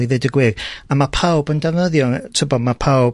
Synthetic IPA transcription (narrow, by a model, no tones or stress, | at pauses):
iðɛdəɡwɪramapʰawbəndɛvnəðjɔtʰəbɔmapʰawb